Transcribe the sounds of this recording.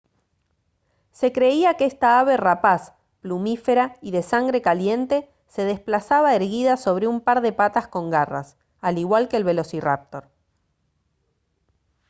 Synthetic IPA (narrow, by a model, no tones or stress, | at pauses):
se̞kɾe̞iakeest̪aaβe̞rapas | plumife̞ɾaiðe̞saŋɡɾe̞kalje̞nt̪e̞ | se̞ð̞e̞splasaβaeɾɣiðaso̞β̞ɾeumpaɾðe̞pat̪asko̞ŋɡara̰s | aliɣwalke̞ːlβe̞lo̞sira̰p̚t̪o̞ɾ